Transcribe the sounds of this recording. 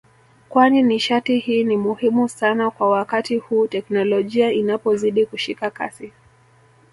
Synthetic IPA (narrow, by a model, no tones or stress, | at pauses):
kwaniniʃatihiːnimuhimusanakwawakatihuːtɛknɔlɔʄiainapɔziɗikuʃikaka̰si